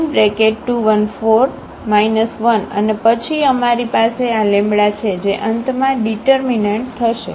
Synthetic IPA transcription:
nbɾekeʈʈuʋənfoɾ | mainəsʋənə̰nepət͡ʃʰiəmaɾipasealẽmbɭat͡ʃʰed͡ʒeʔənt̪mãɖiʈəɾmineɳʈ̚t̪ʰəʃḛ

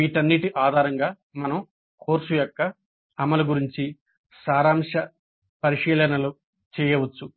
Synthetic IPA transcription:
iʈɐnːiʈiʔaːd̪ʱaːɾɐŋɡaː | mɐnɐm | kʰoːɾʂujɔkːɐː | mɐlɐɡuɾiɲt͡ʃi | saːɾaːmʂɐ | pɐɾiʂiːlɐnɐlu | t͡ʃɛːjɐʋɐt͡ʃːu

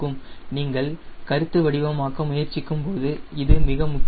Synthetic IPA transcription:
ɯmniːŋɡɐɭkɐɾɯt̪ːɯʋɐɽɪʋɐmaːɣɐmʊjɐɾt͡ʃːɪkːɯmpoːðɯɪðɯmɪɣɐmʊk

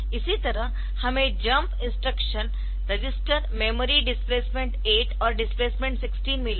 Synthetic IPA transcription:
isit̪ɐɾə | hɐmẽd͡ʒɐmpɪ̃nsʈɾəkʃən | ɾed͡ʒɪsʈəɾmemoɾiɖɪspleːsmẽɳʈeːʈɔːɾɖɪspleːsmẽɳʈsɪksʈiːnmil

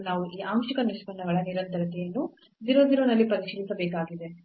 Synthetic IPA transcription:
naːʋuʔiːʔaːmʃikɐnispɐɳːɐɡɐɭɐniɾɐnt̪ɐɾɐt̪ɛjɐnːu | d̪iɾod̪iɾonɐlːipɐɾiʃilisɐbeːkaːɡid̪e̞

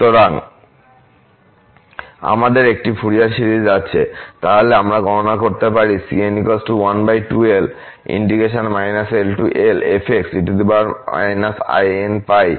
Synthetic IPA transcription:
t̪oɾaŋ | a̰mad̪eɾek̚ʈifʰuɾiaɾʃiɾid͡ʑatːɕʰet̪aɦoleamɾaɡɔnonakoɾt̪epaɾisḭenikosʈuwanbajʈuel | ḭɳɖiɡeʃonmajnaselʈuʔelepʰeksiʈud̪ebaɾma̰jnasa̰jenpaj

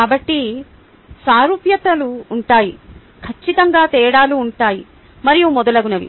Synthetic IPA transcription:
kaːbɐʈːi | saːɾupjɐt̪ɐluːɳʈaːji | kʰɐt͡ʃːit̪ɐŋɡaːt̪ɛːɐɽaːluːɳʈaːji | mɐɾijumɔd̪ɐlɐɡunɐʋḭ

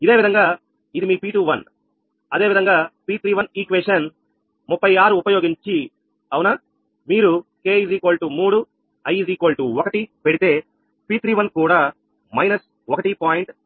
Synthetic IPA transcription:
id̪e̞ːʋid̪ɐŋɡaː | id̪imiːpiːʈuːʋɐn | ɐd̪e̞ːʋid̪ɐŋɡaːpiːt̪ɾiːʋɐniːkʋesʂɐn | mupːɐjaːɾuːpɐjo̞ːɡiɲt͡ʃi | ɐwunaː | miːɾuke̞ːid͡ʒiːkoːɭʈumuːɽu | ɐjd͡ʒiːkoːlʈuɔkɐʈipeɽit̪e̞ː | piːt̪ɾiːʋɐnkuːɽaː | mɐjnɐs | ɔkɐʈipaːjiɳʈ

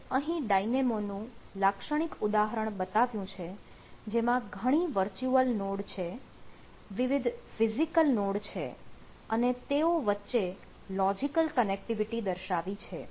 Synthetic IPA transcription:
əɦĩɖainemonũlakʃəɽ̃ikud̪aɦəɾəɳ̃bət̪aʋjũt͡ʃʰe | d͡ʒemãɡʱəɽ̃iʋəɾt͡ʃuəlnoɽt͡ʃʰe | ʋiʋɪd̪ʱfizikəlnoɽt͡ʃʰḛ | ənet̪eoʋətːʃe | lɔd͡ʒikəlkənek̚ʈiʋiʈid̪əɾʃaʋit͡ʃʰe

